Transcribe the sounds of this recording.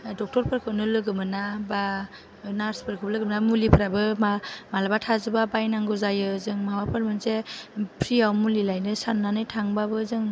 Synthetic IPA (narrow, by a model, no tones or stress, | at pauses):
dɔk̚tɔɾpʰɯɾkʰɯnɯlɯɡɯmɯnaba | naɾspʰɯɾkʰɯwblɯɡɯmnamulipʰɾabɯmamalabatʰazɯbabajnaŋɡɯzajɯzɯŋmawapʰɯɾmɯnsepʰɾiawmulilajnɯsanːanɯjtʰaŋbabɯzɯŋ